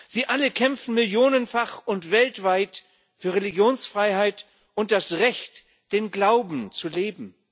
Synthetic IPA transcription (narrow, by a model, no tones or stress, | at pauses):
z̥iːʔaləkʰɛmfn̩mɪljoːnənfaχʊntv̥ɛltv̥aɪt | fyːɐʁeliɡjoːnsfʁ̥aɪhaɪt | ʔʊnt̚d̥asʁɛçt | d̥eːnɡlaʊbm̩t͡suleːbm̩